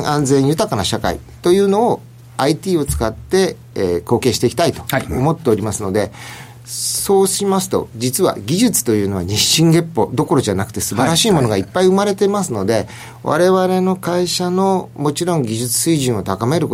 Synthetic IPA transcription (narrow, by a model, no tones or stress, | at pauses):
ʔãnd͡zẽɰ̃jɯ̟t̪akanaɕaka̰ḭ | t̪o̞jɯ̟ːno̞ː | ait̪iːo̞t͡sɨ̥kat̪ːe̞ | ko̞ːkẽ̞ːɕi̥t̪e̞ikʲi̥t̪ait̪o̞̥omo̞t̪ːe̞oɾʲimasɨno̞d̪e̞ | so̞ːɕimasɨ̥t̪o̞̰d͡ʑit͡sɨβa̰ɡʲiʑɨt͡sɨ̥t̪o̞jɯ̟ːno̞βa̰ɲiɕĩŋɡe̞pːo̞d̪o̞ko̞ɾo̞ʑanakɯ̟̥t̪e̞sɨbaɾaɕiːmo̞no̞ɡaipːaiɯ̟maɾe̞t̪e̞masɨno̞d̪e̞ | βa̰ɾe̞βaɾe̞no̞kaiɕano̞mo̞t͡ɕiɾõ̞ŋɡʲiʑɨt͡sɨ̥sɨiʑĩɰ̃o̞t̪akame̞ɾɯ̟k